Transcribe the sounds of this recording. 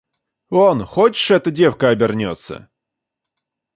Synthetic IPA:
onxot͡ɕɪ̥ʂɛt̪ədʲe̞fkəɐbʲɪrnʲot̪sːə̰

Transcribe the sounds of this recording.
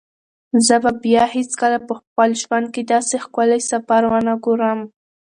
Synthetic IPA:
zəbabjɑhet͡skəlapəxpəlʒwand̪̚ked̪ɑsexkalajsapaɾwanaɡoɾəm

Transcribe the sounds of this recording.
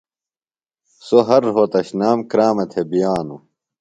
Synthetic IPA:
soɦɐɾɦot̪ɐɕnaːmkɾaːmɐt̪ʰebijaːnu

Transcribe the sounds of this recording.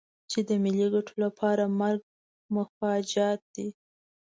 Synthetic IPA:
t͡ʃed̪əmɪliɡaʈʰolapʰɑɾamaɾɡ̚ | mʊxɑd͡ʒɑt̪̚d̪̥i

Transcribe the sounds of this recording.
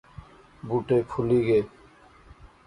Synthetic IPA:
buːʈeːpʰuliːɡeː

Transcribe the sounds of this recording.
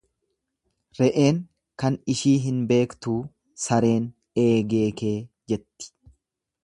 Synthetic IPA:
ɾɛʔe̞ːŋ | kɐnɪʃiːɦɪnbe̞ːkt̪uː | sɐɾe̞ːn | e̞ːɡeːke̞ː | d͡ʒɛt̪ːɪ̥

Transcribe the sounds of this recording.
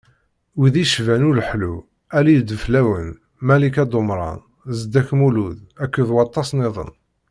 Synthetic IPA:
wiðiʃvænʊləħlu | ælijd̪əflæwən | mælikæd̪omɾˤɑ̰n | zd̪ːæçmuluðækːəðwɑt̪ˤːɑsneðˤə̰n

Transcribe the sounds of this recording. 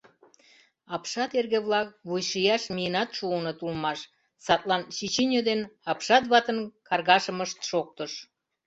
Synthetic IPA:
ɑpʃɑt̪erɣeβlɑk̚βujʃijɑʃmijənɑt̪ʃuənot̪ulmɑʃ | sɑt̪lɑnʃit͡ɕinʲod̪enɑpʃɑt̪βɑt̪ənkɑrɣɑʃəməʃt̪ʃok̚t̪əʃ

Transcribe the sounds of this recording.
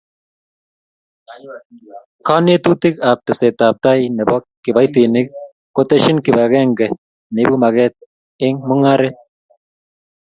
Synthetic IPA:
kanjet̪ut̪ɪkap̚t̪ɛsɛt̪ap̚t̪ajnɛbɔkːɪbajt̪inɪk̚ | kot̪ɛʃinkɪbaɡɛŋɡɛ | nebumaɣɛt̪̚ | ɪŋmʊŋaɾɛt̪̚

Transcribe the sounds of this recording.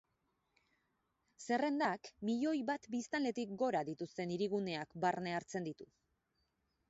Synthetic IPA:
se̞re̞nd̪akmiʎo̞jβat̪bist̪anle̞t̪ik̚ɡo̞ɾaðit̪ust̪e̞niɾiɣune̞akbarne̞aɾt͡se̞nd̪it̪u

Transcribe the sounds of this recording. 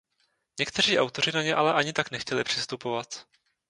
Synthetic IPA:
ɲɛkt̪ɛr̝iːʔawt̪o̞r̝ɪnaɲɛʔalɛʔaɲɪt̪aknɛxcɛlɪpr̥ɪst̪upo̞vat̪

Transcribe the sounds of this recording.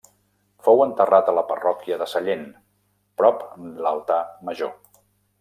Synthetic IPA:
fowənt̪ərat̪ələpərɔkiəðəsəʎen | pɾɔplalˠt̪aməʒo

